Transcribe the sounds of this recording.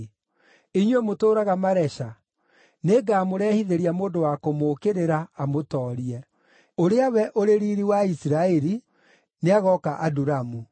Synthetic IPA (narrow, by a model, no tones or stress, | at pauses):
iɲwɛmotoːɾaɣamaɾɛʃa | neːɡaːmoɾɛːhiðeɾiamoːndowakomokeɾeɾaːmotɔːɾiɛ | oɾeawɛʔoɾeɾiːɾiwaisiɾaɛɾi | neaɣɔkaʔaduɾamu